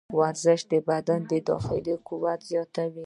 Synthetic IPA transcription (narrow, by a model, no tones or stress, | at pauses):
waɾzəʃd̪əbad̪and̪əd̪ɑ̰xɪ̰likuwat̪zjɑt̪awi